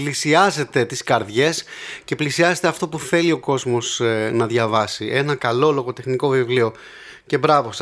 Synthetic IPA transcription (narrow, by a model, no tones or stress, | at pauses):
lisiɐze̞t̪e̞t̪iskɐɾðʝe̞sce̞plisiɐzet̪e̞ɐft̪o̞puθe̞lio̞ko̞zmo̞snɐðʝɐvɐsiʔe̞nɐkɐlo̞lo̞ɣo̞t̪e̞xniko̞vivlio̞ | ce̞bɾɐvo̞s